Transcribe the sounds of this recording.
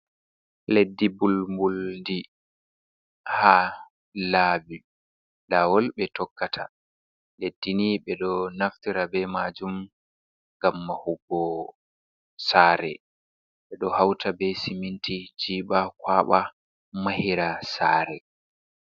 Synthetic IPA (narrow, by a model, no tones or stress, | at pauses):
ledːibulmbuldi | haː | laːbi | lawɔlɓɛtɔkːatʰa | ledːiniɓɛɗɔnaftiɾabɛmad͡ʒum | ŋɡamːahubːɔ | saːɾɛ̰ | ɓɛɗɔhawtʰabɛsimintid͡ʒiːɓakwaːɓa | mahiɾasaːɾɛ